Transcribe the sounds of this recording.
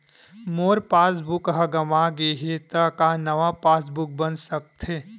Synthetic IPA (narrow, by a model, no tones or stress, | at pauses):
moːɾpaːs̬bʊkɦɐɡɐmaɡeɦet̪akanɐʋapaːs̬bʊk̚bənsɐk̚t̪ʰɦeː